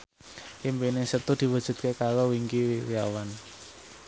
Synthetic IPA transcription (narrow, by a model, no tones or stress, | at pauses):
ʔimpinɪŋsət̪ud̪̥i̤wəd̥ʒ̥ṳt̪̚kekaɾɔwiŋkiwwiawan